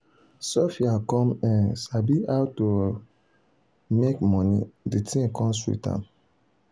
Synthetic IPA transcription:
sɔfiakɔ̃mɛ̃nsabiʔaʊto | mekmɔnḭditʰĩkʰɔ̃mswḭtã̰m

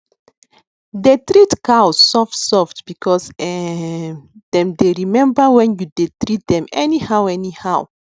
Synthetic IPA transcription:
detɹitkawsːɔftsɔftb̥ikʰɔsɛ | d̥ɛ̃mdeɹimɛ̃mbəwɛ̃njudetɹit̚d̪ɛ̃mɛnihawɛnihaw

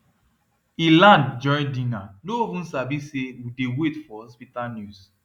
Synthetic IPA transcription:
ilãndd͡ʒɔ̃ɪ̃ndĩnanoivũnsavisewidewetfɔhɔspitalnjus

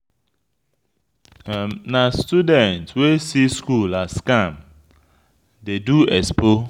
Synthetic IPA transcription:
nastudɛ̃ntwesiskulaskam | deduɛspo

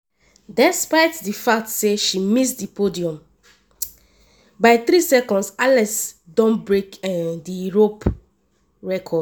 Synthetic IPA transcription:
dɛspaɪtdifak̚tseʃimisdipodiɔ̃m | baɪθɾisɛkɔ̃ndsalɛsdõnbɹekɛdiɹop | ɹɛkʰɔd

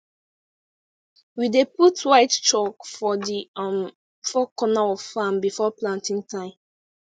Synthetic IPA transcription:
wideputwaɪtt͡ʃɔkfɔdim | fɔkɔnaɔv̥fãmbifɔplãntĩŋtʰãɪ̃m

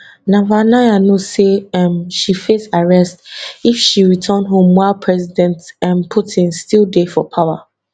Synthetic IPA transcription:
nãvanajanoseãmʃifesaɹɛstifʃiɹitʰə̃ndɦõmwaɪlpʰɹɛzidɛ̃ntãnpʰutʰĩnstilˠdefɔpʰaʊa

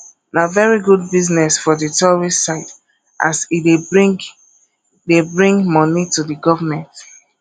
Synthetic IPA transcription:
navɛɹiɡud̚biznɛsfɔdɨtɔɹisːaɪt | ʔa̰side | debɹĩŋmɔnitudəɡɔvəmɛ̃nt

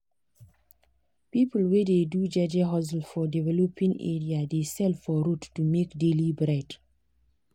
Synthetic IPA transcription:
pipəl̩wededud͡ʒad͡ʒaɦɔzl̩fɔdivɛlɔpʰĩŋɛ̰ɹiadesɛlfɔɾotːumekdelibɹet

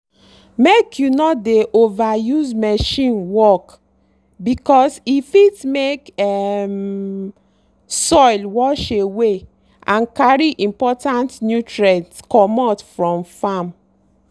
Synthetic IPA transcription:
mekʰjunɔdeʔovajuzmɛʃĩnwɔk | bikɔsifitmekɛm | sɔjlwɔʃewe | ãnkaɹiʔĩmpɔtãntnjutɹɛtskɔmɔtfɹɔ̃mfam

